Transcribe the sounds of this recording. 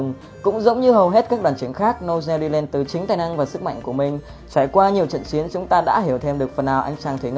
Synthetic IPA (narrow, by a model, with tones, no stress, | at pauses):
ŋ͡m | kʊ̰˧˥ŋ͡mzə̰˧˦˥wŋ͡mɲɨ˧ɦə˨˩wɦe˦˥t̚kaː˦˥k̚ɗwaː˨˩nt͡ɕi˨˦ŋxaː˦˥k̚no˧zɛ˧li˧lɛ˧nt̪ɨ˨˩t͡ɕï˨˦ŋ̟t̪aː˨˩jna˧ŋvaː˨˩sɨ˦˥k̚ma̰˧˨jŋ̟ku˧˩əmï˨˩ŋ̟ | t͡ɕa˧˩jkwaː˧ɲi˨˩əwt͡ɕə̰˧˨nt͡ɕi˨˦ənt͡ɕʊ˨˦ŋ͡mt̪aː˧ɗa̰ː˧˥ɦi˧˩əwt̪ʰe˧mɗɨ˨˩ək̚fə˨˩nʔaː˨˩wʔa̰˧jŋ̟t͡ɕaː˧ŋt̪ʰi˨˦ŋ˧˦